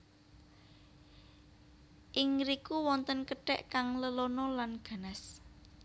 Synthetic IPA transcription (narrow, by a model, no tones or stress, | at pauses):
ʔɪŋɾikuwɔnt̪ənkəɖ̥ɛ̰ʔkaŋləlonɔlanɡ̥a̤nas